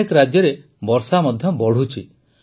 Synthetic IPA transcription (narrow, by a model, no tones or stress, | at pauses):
ikɔɾad͡ʒjɔɾe | bɔɾsamɔd̪ʱjɔbɔɽ̤ut͡ʃʰi